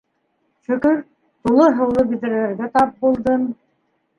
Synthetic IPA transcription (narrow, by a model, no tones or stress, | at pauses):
ʃɵ̆kɵɾ | t̪ulˠɤɦɤ̆wlˠɤbid̪ɘ̆ɾlæɾɡæt̪ɑp̚bulˠd̪ɤn